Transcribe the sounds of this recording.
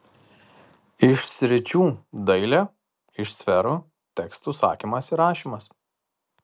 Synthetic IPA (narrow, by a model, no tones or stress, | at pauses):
ɪʃsʲɾʲɪt͡ʃʲuːd̪ɐɪlʲɛː | ɪʃsʲfʲɛɾuː | t̪ʲɛkst̪uˑsɑ̰ːkʲiːmɐsiɾɑːʃʲiːˑmɐs